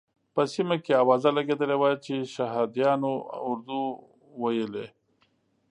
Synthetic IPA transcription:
pəsimakeawɑzalaɡed̪əlewat͡ʃeʃaɦɑd̪jɑnoʊɾd̪u | wajəle

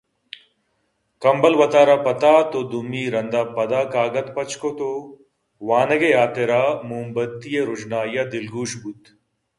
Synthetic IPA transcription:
kɐmbɐlʋɐt̪aːɾapɐt̪aːt̪od̪umiːɾɐnd̪apɐd̪aːkaːɡɐt̪pɐt͡ʃkot̪o | ʋaːnɐɡejaːt̪eɾaːmuːmbɐt̪ːijeɾud͡ʒnaːjɐd̪ilɡuːʃbut̪

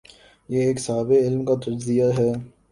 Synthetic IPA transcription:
jeeːksaːbɪɪlmkat̪ɐd͡ʒzijaɦɛː

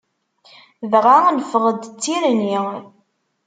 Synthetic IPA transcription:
ðʁanfəʁəd̪t͡sːiɾəni

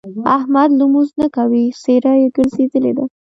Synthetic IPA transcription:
ahmad̪lumuznakawiseɾajeɡəɾzed̪əlḛd̪a

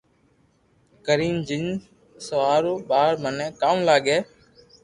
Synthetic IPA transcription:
kəɾiːnd͡ʒin | səʋaːɾoːɓaːɾmənẽːkaːmlaːɠeː

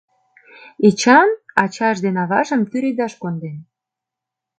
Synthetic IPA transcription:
et͡ɕɑnɑt͡ɕɑʒd̪enɑβɑ̰ʒəmt̪yɾed̪ɑʃkond̪en

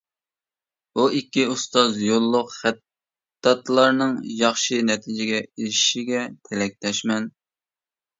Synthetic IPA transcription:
buikʲːiust̪ɑzjolˠːʊqχæt̪ː | ɑt̪lˠɑɾnɨŋjɑχʃɨnɛt̪ʰɪd͡ʒɪɡʲɛilɪʃiɡʲɛt̪ʰɪlɛk̚ʲlɛʃmɛn

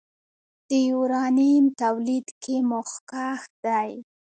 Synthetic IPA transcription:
d̪̥əjuɾɑnimt̪awlid̪kʰemʊxkaxd̪aj

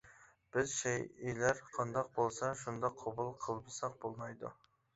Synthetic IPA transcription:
b̥ɪzʃɛjelæɾqʰɑnd̪ɑq̚bolˠsɑʃund̪ɑqʰːobulˠqʰəlˠbɨsɑq̚bolˠmɑjd̪ṵ

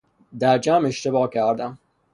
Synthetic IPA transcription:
d̪æɾd͡ʒæmeʃt̪ebɒːcʰæɾd̪æm

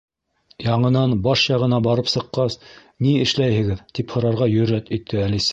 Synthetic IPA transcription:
jɑɴɤ̆nɑnbɑʃjɑʁɤ̆nɑbɑɾɤpsɤ̆qːɑs | niɘ̆ʃlæjhɘ̆ɡɘðt̪iphŏɾɑɾʁɑjɵ̆ɾːæt̪it̪ʰːɘælisæ

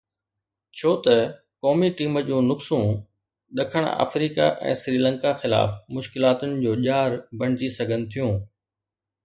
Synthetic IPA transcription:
t͡ɕʰoːt̪ɐ | kɔːmiʈiːməd͡ʑũːnʊksũː | ɗɐkʰəɽ̃a̰ːfɾiːka̰ʔɛ̰̃ːsɾiːlə̃ŋkaxɪla̰ːfmʊʃkɪlaːt̪ʊnɪ̆d͡ʑoːʄaːɾbɐɽ̤̃ɪd͡ʑisɐɡʱənɪ̆t̪ʰijũː

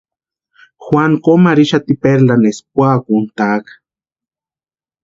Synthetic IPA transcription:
xwaŋkomaɾiʃat̪ipeɾlanesp̚wakunt̪akḁ

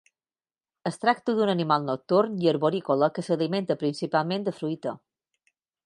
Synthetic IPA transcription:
əst̪ɾak̚t̪əðunənimalˠnok̚t̪uɾniəɾβoɾikoləkəsəlimẽnt̪əpɾinsipalˠmẽnd̪əfɾujt̪ə

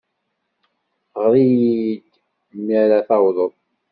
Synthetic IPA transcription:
ʁɾˤijid̪ | miɾæθɑwðˤəðˤ

